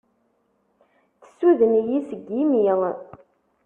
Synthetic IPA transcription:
θə̥sːuðənjisəɡimil

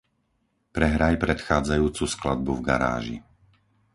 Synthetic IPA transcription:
pɾɛɦɾajpɾɛt̪xaːd͡zajuːt͡susklad̪̚buvɡa̰ɾa̰ːʒḭ

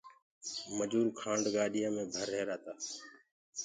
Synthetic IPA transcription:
məd͡ʒuːɾkʰãːɳɖɡaːɗɪjãːmẽːbʱəɾɦeːɾaːt̪aː

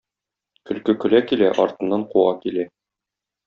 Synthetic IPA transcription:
kɵ̆lkɵkɵ̆lækilæʔɒɾt̪ɤ̆nːɑɴquɑkilæ

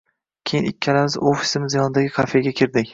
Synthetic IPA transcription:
kʲʰejɪnɪ̰kʲʰːalamɪzofi̥sɪmɪzjɒnɪd̪aɡʲɪkʰafeɡʲakʲʰɪɾd̪ɪkʲ

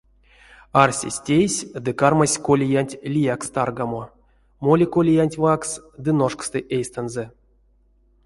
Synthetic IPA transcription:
arsʲḛsʲtʲejsʲd̪ɨkarmasʲkolʲijanʲtʲlʲijakst̪arɡamo | molʲikolʲijanʲtʲvaksd̪ɨnoʂkst̪ɨʔejst̪anzɛ

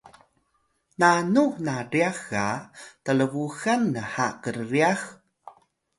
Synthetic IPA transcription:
nanunaɾiaxatələvuɣanːəhakərːiax

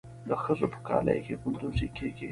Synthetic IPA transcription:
d̪əxəzopə̥kɑ̰ːla̰jkekʊnd̪uzikeke

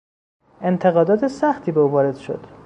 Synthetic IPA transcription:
ʔe̞nt̪ʰe̞ɣɒːd̪ɒːt̪ʰesæxt̪ʰiːbeuːvɒːɾe̞d̪̥ʃo̞̰d̪̥

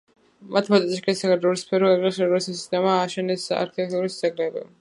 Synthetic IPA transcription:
mat̪ʰmat̪ʼɛt̪ʼiʃikʰʼɛsakaɔɾispʰɛɾɔɛɡasɛɾɔɾisisi̥st̪ʰʼɛmaːʃɛnɛsa̰ɾkʰit̪ʰɛk̚t̪ʼuɾisd̪zɛɡlɛbɛ̰

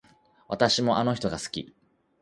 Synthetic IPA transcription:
βa̰t̪aɕimo̞ʔano̞çi̥t̪o̞ɡasɨ̥kʲḭ

